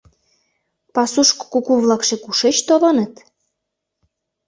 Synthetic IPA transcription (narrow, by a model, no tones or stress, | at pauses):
pɑsuʃkkukuβlɑkʃekuʃet͡ɕt̪olɑnət̪